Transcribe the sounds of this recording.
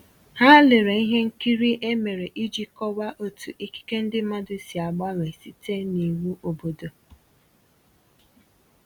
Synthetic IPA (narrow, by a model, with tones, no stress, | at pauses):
ha˦lɪ˨ɾe˨i˦ɦe˦ŋ̩˦ki˦ɾi˦ʔe˦me˨ɾe˨ʔi˦d͡ʒi˦kɔ˦wa˦ʔo˦tu˨ʔi˦ki̥˦ke˦n̩˦dɪ˦ma˦dʊ˦si˨a˨ɡ͡ba˦ŋe˨si˦te˦ni˨wu˦ʔo˨bo˨do˨